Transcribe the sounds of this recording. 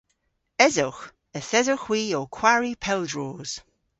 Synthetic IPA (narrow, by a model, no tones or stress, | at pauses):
ɛzʊx | əθɛzoxwiːokʰw̥aɹipʰɛlˠdɹoːz̥